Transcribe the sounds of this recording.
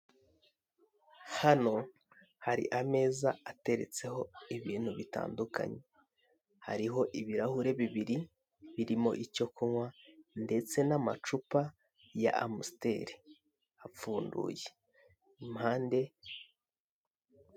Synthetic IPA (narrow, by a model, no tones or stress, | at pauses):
hano̞ | haɾḭʔame̞ːzaate̞ɾe̞̰t͡se̞ho̞iβiːn̥huβita̰ːnduka̰ɲe̞ | ha̰ɾiɦo̞ʔiβiɾahuɾe̞βiβiɾi | βiɾimo̞̰ʔico̞kuŋwande̞t͡se̞nama̰t͡ʃupa | ja̰amuste̞̰ɾi | ap͡fuːndṵje | imhaːnde̞